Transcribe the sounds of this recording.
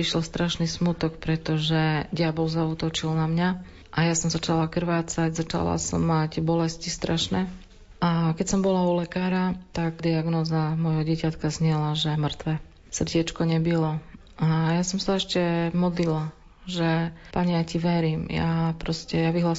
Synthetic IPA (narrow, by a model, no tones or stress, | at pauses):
iʃlɔst̪ɾaʃnismut̪ɔkpɾɛt̪ɔʒɛɟɪabɔʊzaut̪ɔt͡ʃilnamɲa | ʔajasɔmzat͡ʃalakr̩ʋaːt͡saɟzat͡ʃa̰la̰sɔ̰mːaɟbɔlɛscist̪ɾaʃnɛ | ʔakɛcsɔmbɔlaulɛkaːɾat̪aɡd̪iaɡnɔːzamɔjɦɔɟɪɛcat̪kazɲɪɛlaʒɛmr̩t̪ʋɛ | sr̩ɟɛt͡ʃkɔɲɛbilɔ | ʔajasɔmsaɛʃcɛmɔd̪lila | ʒɛpaɲɛjaciʋɛɾiːmja̰pɾɔscɛjaʋiɦlas